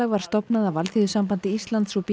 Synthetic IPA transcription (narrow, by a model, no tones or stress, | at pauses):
aɣvaɾ̥st̪ɔpnaðavalθiðʏsampant̪ɪist̪lant̪sɔwp